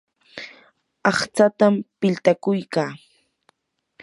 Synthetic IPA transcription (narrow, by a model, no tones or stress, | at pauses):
ɑχt͡sat̪ampɪlt̪akʊjkaː